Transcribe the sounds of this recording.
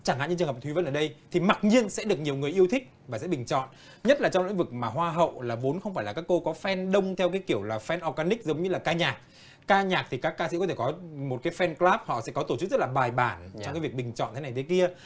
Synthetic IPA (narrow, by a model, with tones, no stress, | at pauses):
t͡ɕaː˧˩ŋa̰˧˨ɲ̰˧˥t͡ɕɨ˨˩ŋ̚˨˩t̪ʰwi˨˦və˧nʔəː˧˩ɗə˧jt̪ʰi˨˩ma˨˩t̚ɲi˧ənsɛ̰˧˥ɗɨ˨˩ək̚ɲi˨˩əwŋɨ˨˩əjʔi˧əwt̪ʰï˦˥k̟̚vaː˨˩sɛ̰˧˥ɓï˨˩ŋ̟t͡ɕɔ̰˧˨nʔ | ɲə˦˥t̚laː˨˩t͡ɕɔ˧wlï˧˥ŋvɨ˨˩k̚maː˨˩ɦwaː˧ɦə̰˧˨wlaː˨˩vo˨˦nxə˧wŋ͡mfaː˧˩jlaː˨˩kaː˦˥kːo˧kɔ˨˦fɛ˧nɗə˧wŋ͡mt̪ʰɛ˧wkaː˨˦jki˧˩əwlaː˨˩fɛ˧nʔɔ˧kaː˧nï˦˥k̚zə˨˦wŋ͡mɲɨ˧laː˨˩kaː˧ɲaː˨˩k̚ː | aː˧ɲaː˨˩k̚t̪ʰi˨˩kaː˦˥kːaː˧sɛḭ˧˥kɔ˨˦t̪ʰe˧˩kɔ˨˦mo˨˩t̚kaː˨˦jfɛ˧nklaː˦˥p̚hɔ̰˧˨sɛ̰˧˥kɔ˨˦t̪o˧˩t͡ɕɨ˦˥k̚z̥ə˦˥tlaː˨˩ɓaː˨˩jɓaː˧˩nt͡ɕŋ͡mkaː˨˦vi˨˩ək̚ɓï˨˩ŋ̟t͡ɕɔ̰˧˨nt̪ʰe˨˦na˨˩jt̪ʰki˧ə